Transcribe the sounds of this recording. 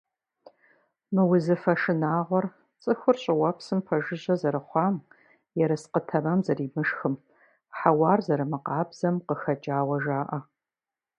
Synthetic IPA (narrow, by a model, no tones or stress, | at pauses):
mɨwʊzɨfɐʂɨnaːʁʷɔr | t͡sʼɨxʷʊrɕʼɪwɐpsɨmpʰɐʒɨʑɐzɐɾɨχʷɑːm | jɛɾɐsqətʰɐmɐmzɐriːmɨʂxɨm | ħawɑːrzɐɾɨmɨqɑːbz̥ɐmqəxɐd͡ʒʼaːwɐʒaːʔɐ